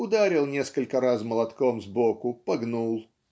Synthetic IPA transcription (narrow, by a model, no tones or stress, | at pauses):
ʊd̪aɾʲɪlˠnʲeskəlʲkəɾasməlˠɐt̪komzbokʊpɐɡnulˠ